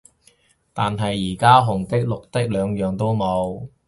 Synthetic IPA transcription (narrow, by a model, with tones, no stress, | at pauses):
t̪aː˨nɦɐ˨jːiː˨˩kaː˥ɦʊ˨˩ŋt̪ɪ˥k̚lʊ˨k̚t̪ɪ˥k̚lœː˨˧ŋjœː˨ŋt̪o˥wmo˨˧w